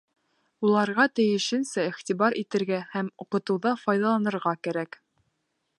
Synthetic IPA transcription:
ulˠɑɾʁɑt̪ɘ̆jɘ̆ʃɘ̆nsæiχt̪iβɑɾʔit̪ɘ̆ɾɡæhæmuqɤ̆t̪ɤ̆wðɑfɑjðɑlˠɑnɤ̆ɾʁɑkæɾæk

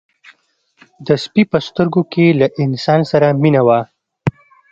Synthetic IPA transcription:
d̪əspipəst̪əɾɡokelaʔɪnsɑnsaɾaminawa

